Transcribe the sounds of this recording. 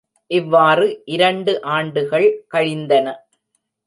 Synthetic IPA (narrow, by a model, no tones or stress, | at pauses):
ʔɪʋːaːrɯʔɪɾɐɳɖɯʔaːɳɖɯɣɐɭkɐɻɪnd̪ɐnɐ